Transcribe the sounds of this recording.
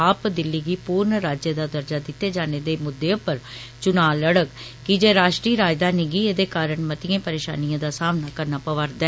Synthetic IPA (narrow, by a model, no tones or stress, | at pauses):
aːpd̪ɪlːiːɡiːpuːɾnɾaːd͡ʒjəd̪aːd̪əɾd͡ʒaːd̪ɪt̪ːeːd͡ʒaːneːd̪eːmʊd̪ːeːõpəɾt͡ʃʊnaːləɽəkkɪd͡ʒeːɾaːʃʈɾiːɾaːjd̪aːniːɡiːeːd̪eːkaːɾəɳmət̪ɪjẽːpəɾeːʃa̰ːnijãːd̪aːsaːmnaːkəɾnaːpəʋəɾd̪aɛ